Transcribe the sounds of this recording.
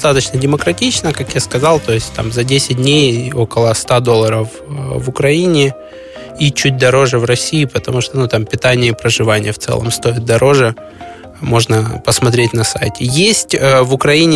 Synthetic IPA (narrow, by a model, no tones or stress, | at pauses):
t̪at̪ət͡ɕnədʲɪməkɾɐtʲit͡ɕnəkakjaskɐzɑlˠt̪o̞ɪsʲtʲt̪a̰mzɐdʲesʲɪt̚ʲdʲnʲejo̞kəlˠəst̪ad̪o̞lˠːəɾəf | vʊkɾɐinʲɪ | it͡ɕʉt̚ʲd̪ɐɾo̞ʐɨvɾɐsʲiːpət̪ɐmuʂt̪onut̪ampʲɪt̪anʲɪjəpɾəʐɨvanʲɪ̰jəft̪sɛ̰lˠə̰mst̪o̞ɪt̪̚d̪ɐɾo̞ʐɨ | mo̞ʐnəpəsmɐt̪ɾʲetʲnɐsa̰jtʲɪjesʲtʲəvʊkɾɐinʲɪ